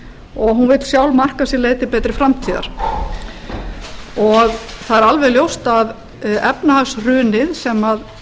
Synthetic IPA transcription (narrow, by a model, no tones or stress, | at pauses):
ɔɣɦunvɪt̪sjawlmar̥kasjɛɾleːjt̪ɪpɛːt̪ɾɪfɾamt̪ʰiːða̰ɾ̥ | ɔɣθaðɛɾalvɛljowst̪að | ɛpnahasrʏːnɪðsɛmað